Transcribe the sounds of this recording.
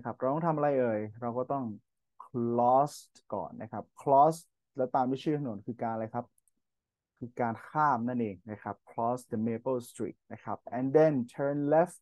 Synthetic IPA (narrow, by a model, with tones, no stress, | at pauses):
na˥˩kʰa˦˥p̚ɾa˧wt̪ɔ˥˩t̪ʰa˧mʔa˧ɾa˧jʔɤː˧jɾa˧wkɔː˥˩t̪ɔ˥˩ŋ | kʰlɔː˦˥s | kɔ̰ː˨˩nːa˦˥kʰa˦˥p̚kʰlɔː˦˥s | lɛ˦˥wt̪aː˧mwi˦˥˩t͡ɕʰiː˥˩t̪ʰa˧nu˩˦nkʰɯː˧kaː˧nlaː˧jkʰa˦˥p̚ | kʰɯː˧kaː˧nkʰaː˥˩mna˥˩nʔeː˧ŋna˦˥˩kʰa˦˥p̚kʰlɔː˦˥sdə˧meː˧bɤ˥˩st̪ɾḭː˨˩t̪̚na˦˥˩kʰa˦˥p̚ʔɛ˧nde˧˩nt̪ʰɤː˧nle˦˥f